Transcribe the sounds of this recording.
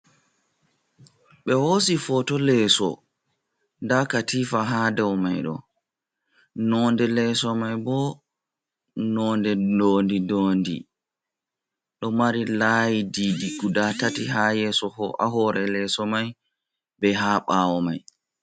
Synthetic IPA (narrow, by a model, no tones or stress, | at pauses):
ɓɛhoːsifɔtɔlɛːsɔ̰ | ndakatifaɦadɛwmajɗɔ̰ | nɔːndɛlɛsɔmajbɔ | nɔndɛnoːndidoːndḭ | ɗɔmaɾilajididiɡudatatihajɛsɔhɔʔa̰ɦɔɾɛlɛsɔmaj | bɛɦaːɓawɔmaj